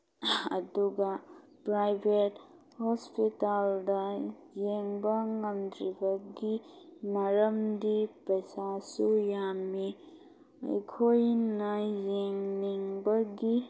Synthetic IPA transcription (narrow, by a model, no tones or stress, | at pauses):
ɐ̰duɡa | pɾajbʱet | hɔspitaldɐ | jeŋbɐŋɐmd̪ɾibɐɡimɐɾɐmdipɐjsasujami | ɐ̰jkʰojnɐjeŋniŋbɐɡi